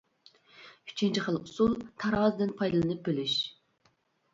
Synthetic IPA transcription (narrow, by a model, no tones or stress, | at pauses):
yt͡ʃʰint͡ʃʰiχəlˠusulˠt̪ʰɑɾɑzd̪ɨnpʰɑjd̪ɨlˠɨnɨp̚bɪlyʃ